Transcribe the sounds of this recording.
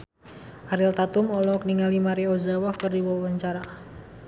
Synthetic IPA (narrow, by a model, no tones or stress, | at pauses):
ʔaɾɪlt̪at̪ʊmɔlɔkəniŋalimaɾiozawɔhkərdiwɔwaɲt͡ʃaɾa